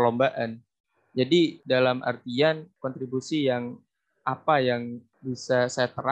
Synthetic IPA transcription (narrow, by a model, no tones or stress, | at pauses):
lombaʔan | d͡ʒadidalama̰rt̪iankɔnt̪ɾibusijaŋ | ʔapajaŋ | bisasajat̪əɾa